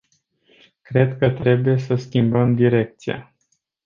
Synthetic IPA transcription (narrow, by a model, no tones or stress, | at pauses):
kɾe̞d̪kət̪ɾe̞buje̞səskʲimbəmd̪iɾe̞k̚t̪sia̰